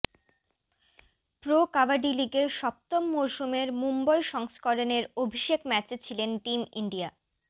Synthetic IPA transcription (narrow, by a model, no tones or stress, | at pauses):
pɾokavaɖiliɡeɾʃɔp̚t̪omːowʃumeɾmumbɔjʃɔŋskoɾoneɾobʱiʃekmɛt͡ɕt͡ɕʰilenʈimḭɳɖia